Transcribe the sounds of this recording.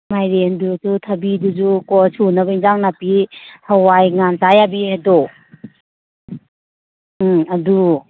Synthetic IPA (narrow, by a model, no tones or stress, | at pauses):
majɾendusutʰɐbidud͡ʒukɔsʰunɐbainzaŋnapihawajŋantajabiadɔ | ɐdu